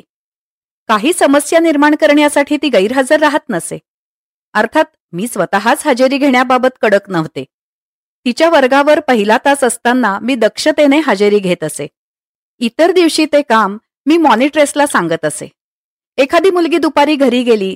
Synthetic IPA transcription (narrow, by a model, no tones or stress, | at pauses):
kaɦiːsəməsjaniɾmaɳkəɾɳjasaʈʰiːt̪iːɡəjiɾɦəd͡zəɾːaɦət̪nəsḛ | əɾt̪ʰat̪̚ | miːsʋət̪aɦasɦad͡ʑəɾiːɡʱeɳjababət̪kəɽəknəʋt̪e | t̪it͡ɕjaʋəɾɡaʋəɾpəɦilat̪asəst̪anːamiːd̪əkʂət̪eneɦad͡ʑəɾiːɡʱet̪əsḛ | it̪əɾd̪iʋɕiːt̪ekamː | iːmɔniʈɾeslasaŋɡət̪əsḛ | ekʰad̪iːmulɡiːd̪upaɾiːɡʱəɾiːɡeliː